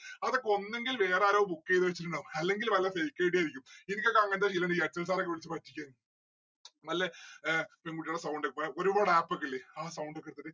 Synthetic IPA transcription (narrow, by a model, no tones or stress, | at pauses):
ɐðokːo̞nːe̞ŋɡilʋe̞ːraːɾɐːbukːejiðɨʋɐt͡ɕːituɳɖaːmɐlːe̞ŋɡilʋɐlːɐfejkːeiʈ̬ijaːjɾikʲːumenikʲːokːɐɐŋːɐnt̪aɕilːɐnɖiːɐt͡ɕːɐls̬aːɾokːeʋiɭit͡ɕːɨpɐtːikʲːaː | nɐlːe | peŋɡuʈːiuɽesɐwɳɖɐkːɐo̞ɾubaːɽaːpːokːilːeaːsɐwɳɖɐkːɐrt̪ːɐtːɨ